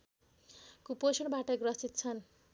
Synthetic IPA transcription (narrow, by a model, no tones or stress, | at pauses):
kuposʌnbaʈʌɡrʌsit̪̚t͡sʰʌn